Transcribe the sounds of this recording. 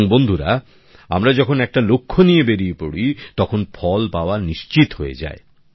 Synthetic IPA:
ŋbond̪ʱuɾa̰ | a̰mɾad͡ʑɔkʰonɛk̚ʈalokʰːonijebeɾijpoɽit̪ɔkʰonfʰɔlpaoaniʃt͡ɕit̪ɦoḛd͡ʑa̰e

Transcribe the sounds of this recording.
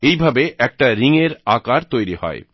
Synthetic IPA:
ejbʱabeʔɛk̚ʈaɾiŋeɾakaɾt̪ojɾihɔ̰e

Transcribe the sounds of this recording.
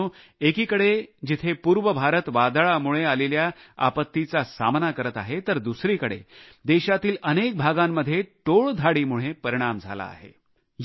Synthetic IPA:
ũ | ekiːkəɽed͡ʑit̪ʰepuːɾʋəbʱaɾət̪ʋad̪ɭamuɭ̃ealeljaa̰pət̪ːit͡sasa̰mnakəɾət̪aɦet̪əɾd̪usɾiːkəɽḛ | d̪eɕat̪iːlənek̚bʱaɡamːəd̪ʱːjeʈoɭd̪ʱaɽiːmuɭ̃epəɾiɽ̃amd͡zʱa̰la̰ːɦḛ | j

